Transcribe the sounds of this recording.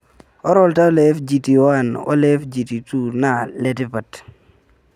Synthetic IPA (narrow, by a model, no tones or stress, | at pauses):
ɔɾɔltalɛfd͡ʒitiwanɔ̰lefd͡ʒititunaletɪpat